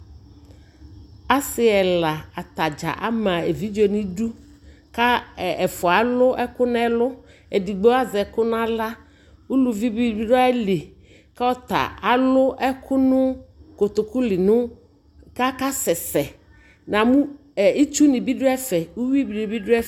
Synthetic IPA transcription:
a˦sɪ˨ɛ˨la˨a˨t̪a˨d͡ʒa̰˨ʔa̰˦mã˨e˨vi˦d͡ʒɔ˨ni˦du˦ | ka˦˨ɛ˨fʊ˨a˨˦lʊ˦ʔɛ˦kʊ˦nʊ˦ɛ˦lʊ˦ | ɛ˨di˨ɡ͡be˦a˦zɛ˨kʊ˦nʊ˦a˦la˦ | wu˦lu˨vi˦bi˦bi˦dɔ˦ɛ˦li˨ | ka˦ɔ˦t̪a̰˨a˨lʊ˦ʔɛ˦kʰʊ˦nʊ˦kʊ˨t̪ʊ˨kʊ˦lɪ˨nʊ̃˦ | ka˦ka˦sɛ˨sɛ˨ | nã˨mũ˦˨ | i˦t͡ʃu˦nɪ̃˨bi˦dʊ˦ɛ˦fɛ˨u˦wi˦bi˨nĩ˨bi˦dʊ˦ɛ˦

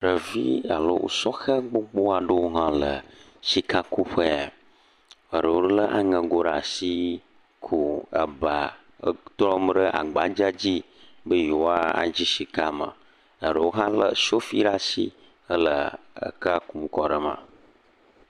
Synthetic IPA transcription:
ɖə˨vi˦a˨lə̰˦wo̰˨sɔ˦xə˦ɡ͡bo˦ɡ͡bo˦a˨ɖə˦wo˦ɦã˦lə˨ | ʃi˦ka˦ku˦ɸə˦a˨ | ə˨ɖə˨wo˦lə˦ʔa˨ŋə̃˨ɡo˦ɖa˨si˦ | kʰu˨ə˨ba˨˦ | t̪ɾɔ˦m˦ɖə˦ʔa̰˨ɡ͡ba˨˦d͡ʒa˦d͡ʑi˦ | bə˦je˨wo˦a˦a̰˨d͡ʑi˦ʃi˨ka˦mə̰˨ | ə˨ɖə˨wo˦ɦã˦lə̰˦ʃo˦fi˦ɖa˦si˦ | ə˦lə̰˨ | ə̰˦˨ka˦ku˦m˦kɔ˦ɖə˨mã̰˨

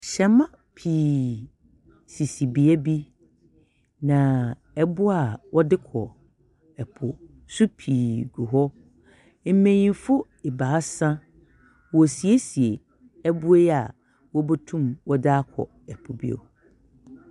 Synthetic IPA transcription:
ɕɛ̃˨mã˦ | pʰiː˨ | si˨si˨bi˨ɛ˦bi˦ | nã˨ | ɛ˨bʊ˦a˨wʔɔ˦dɪ˦kʰɔ˨ | ɛ˨pʰʊ˨ | su˦pʰiː˨ɡu˨ɦɔ˦ | m̩˦mẽ˨ɲĩ˨fʊ˦ | e˨ba˨a˦sã˦ | wɔ˨si˨e˦si˨e˨ | ɛ˦bʊ˦e˦ja˨ | wɔ˦bo˦tʰũ˦mwɔ˦da˦kʰɔ̰˨ | ɛ˨pʰʊ˨bḭ˦o̰˨

